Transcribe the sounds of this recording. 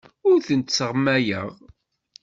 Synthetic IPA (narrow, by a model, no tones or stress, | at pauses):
ʊɾθənt̪səʁmæjə̰ʁ